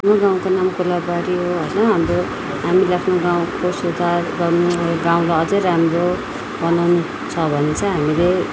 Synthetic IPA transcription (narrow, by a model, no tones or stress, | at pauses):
noɡãw̃konamkulabaɾiɦoɦʌjnʌɦamro | ɦamilakʰnoɡãw̃kosed̪ʱarɡʌrnuɡãw̃laʌd͡zʌjɾamro | bʌnawnu | t͡sʰʌbʱʌnet͡sʌ̃ɦamile